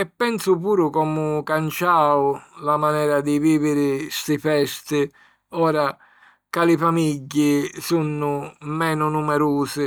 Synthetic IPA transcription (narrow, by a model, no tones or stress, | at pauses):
ɛpːɛnsʊpuːɾʊkɔːmʊkant͡ʃaːʊlamanɛːɾad̪ɪviːvɪɾɪst̪ɪfɛst̪ɪ | ɔːɾa | kalɪfamiɟːɪsunːʊmɛːnʊnumɛɾuːsɪ